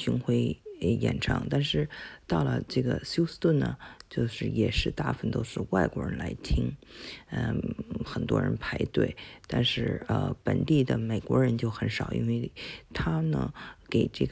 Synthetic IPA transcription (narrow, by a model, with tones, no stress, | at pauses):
ɕy˧˥ŋxwe˧˥ɪjɛ̰˨˩nʈ͡ʂʰɑ̰˧˥ŋt̪a˥˧nʂɻ̩˥˧t̪ɑ˥˩ʊlə˨˩ʈ͡ʂɤ˥˩ɡə̰˩sju˥st̪ʊ˥˩nnə̰˩t͡ɕjo˥˧ʊʂɻ̩˥˩jɛ˨˩ʂɻ̩˥˧t̪a̰˥˩fə˥˩nt̪o̰˥ʊʂɻ̩˥˧wa˥˩ɪkwɔ˧˥ɻə̰˧˥nla˧˥ɪt̪ʰi˥ŋə˧xə˨˩nt̪wɔ̰˥ɻə̰˧˥npʰa˧˥ɪt̪wḛ˥˩ɪt̪a˥˧nʂɻ̩˥˩ə̰˧pə̰˨˩nt̪i˥˩d̪ə˩me˨˩ɪkwɔ̰˧˥ɻə˧˥nt͡ɕjo˥˩ʊxə˧˥nʂɑ˨˩˦ʊʔḭ˥nwe˥˩ɪt̪ʰa˥nə˧˨ke˨˩ɪʈ͡ʂɤ˥˩ɡ